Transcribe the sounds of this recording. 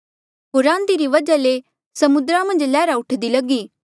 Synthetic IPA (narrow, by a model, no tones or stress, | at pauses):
ɦoːɾãːnd̪iɾiʋɐd͡ʒale | sɐmʊd̪ɾãmɐ̃nd͡ʒlɛːɾaʊʈʰd̪ilɐɡiː